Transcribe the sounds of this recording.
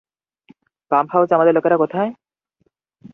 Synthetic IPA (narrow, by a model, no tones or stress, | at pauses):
kamphawsamad̪eɾlokeɾakot̪ʰae